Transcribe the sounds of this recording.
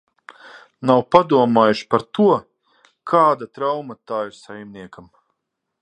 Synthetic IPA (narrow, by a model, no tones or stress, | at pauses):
nawpad̪uɔmaːjuʃpaɾt̪uɔ | kʰaːd̪at̪ɾawmat̪aːiɾsajmniɛkam